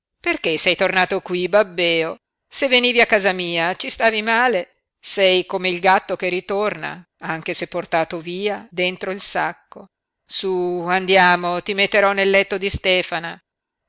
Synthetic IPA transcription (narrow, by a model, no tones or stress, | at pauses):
perkesɛjt̪ornaːt̪okwibabːɛːo | sevːeniːviakːaːzamiːat͡ʃist̪aːvimaːle | sɛjkomeilɡat̪ːok̟erit̪orna̰ | aŋk̟esepːort̪aːt̪oviːad̪ent̪ɾoilsakːo | suand̪jaːmot̪imet̪ːeɾɔnːelːɛt̪ːod̪ist̪ɛːfana